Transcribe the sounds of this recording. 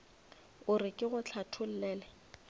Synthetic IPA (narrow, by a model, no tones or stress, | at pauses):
ʊrɪkʼɪɣʊt͡ɬʰatʰʊl̩lɛːlɛ